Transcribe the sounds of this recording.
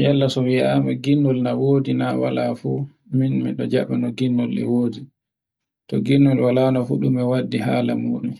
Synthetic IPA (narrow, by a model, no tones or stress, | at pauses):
jalːasɔwiʔamɛɡinːɔlnawoːdinawa̰la̰fu | minmḭɗɔd͡ʒaɓɛnɔɡinːɔlɛ̰woːdi | tɔɡinːɔlwalaːnɔfuɗumɛwadːiɦaːlamuɗu